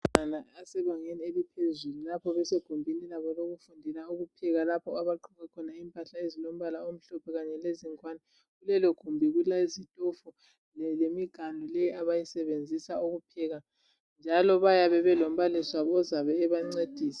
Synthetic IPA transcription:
anaasɛβaŋenielipʰezululapʰɔβɛseɡ̥ʱumbʱinilaβɔloɣufundʱilauɣupʰɛɣalapʰɔaβaǃʰɔɣɛkʰɔnaimpʼaɬaezilom̩βalaom̩ɬɔpʰɛɣaɲɛleziŋkʼwanɛ | ɣulɛlɔɡ̥ʱumbʱiɣulaizitʼɔfu | llemiɡ̥ʱandʱɔlɛjiaβajisɛβend͡zʱisauɣupʰɛɣa | nd͡ʒʱalɔβajaβɛβɛlom̩βaliswaɔzaβɛːβaŋ͡ǀed̥ʱiːsḁ

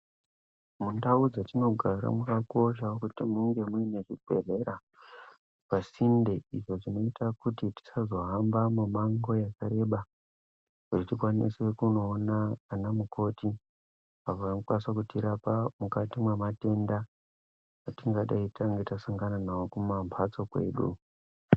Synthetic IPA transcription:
mundaud͡zatino̞ɡʱaɾa̰mukako̞ʃ̬aokutimuŋɡe̞muine̞ʐibʱe̞re̞ɾa | pasindeiʐo̞ʐino̞itakutiti̥sazo̞ɦambamumaŋɡo̞jakaɾe̞ɓa | kutitikwanḭse̞kuno̞ːnaːnamuko̞ti | aʋakwansakutiɾapamukatimwemate̞nda | atiŋɡaɗaitaŋɡe̞tasaŋɡananawokumampʰat͡so̞kwe̞ɗṵ

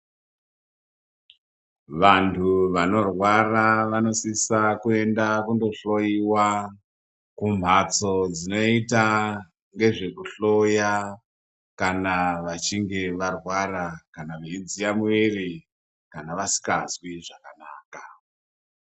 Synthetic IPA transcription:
ʋantʰuʋano̞rwaraʋano̞sisakue̞ndakundo̞ɬo̞jiwa | kum̤at͡so̞d͡zino̞ita | ŋɡe̞ʐe̞kuɬo̞ja | kanaʋat͡ʃiŋɡe̞ʋarwarakanaʋeind͡zijamuweri | kanaʋasi̥ka̰zwiʐakanaːka

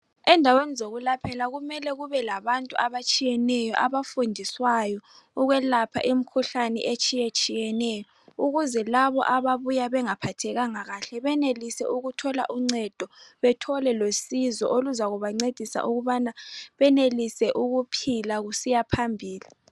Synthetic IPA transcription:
ɛndʱawenizoɣulapʰɛlaɣumɛlɛɣuβɛlaβantʼuaβat͡ʃʼijɛnɛjɔʔaβafundʱiswajɔ | uɣwɛlapʰa̰ʔim̩kʰuɬanɛ̰ʔet͡ʃʼijet͡ʃʼijɛnɛjɔ | uɣuzɛlaβɔ̰ʔaβaβujaβɛŋapʰatʰɛɣaŋaɣaɬɛβɛnelisɛ̰ʔuɣutʰɔla̰ʔuŋ͡ǀɛd̥ʱɔβɛtʰɔlɛlosizɔ̰ʔoluzaɣuβaŋ͡ǀed̥ʱisa̰ʔuɣuβanaβɛnelisɛʔuɣupʰilaɣusijapʰambʱiːli

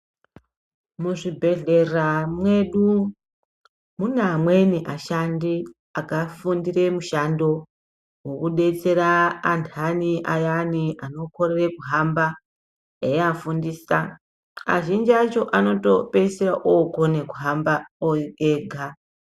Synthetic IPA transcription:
muʐibʱe̞ɮe̞ramwe̞ɗu | munamwe̞niʔaʃandi | akafundire̞muʃando̞ | wokuɗe̞t͡se̞ɾaːntʰaniʔajaniano̞ko̞ɾerekuɦamba | eafundiːsa | a̰ʒind͡ʒiat͡ʃo̞ʔano̞to̞peseraʔokonekuɦambaoeɡʱa

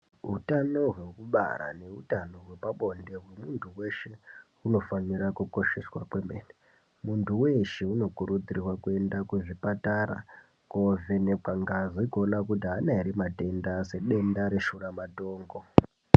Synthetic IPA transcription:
ɦutano̞ɦwe̞kuɓa̰ɾa̰ne̞utano̞ɦwe̞paɓo̞nde̞ɦwe̞muntʰuwe̞ʃe̞ | uno̞fanirakuko̞ʃeswakwe̞mbeni | muntʰuwe̞ʃeuno̞kuɾud͡zirirwakue̞ndakuʐipataɾa̰ | kovenek͡paŋɡazikonakutianairimate̞ndase̞ɗe̞ndaɾe̞ʃuramatoːŋɡo̞

